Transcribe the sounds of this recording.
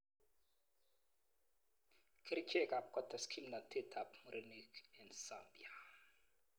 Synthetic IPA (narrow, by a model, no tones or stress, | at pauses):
kʰiɾit͡ʃʰɛkap̚kɔtaskʰimnatʰetʰapmuɾʔenikɛnsambḭa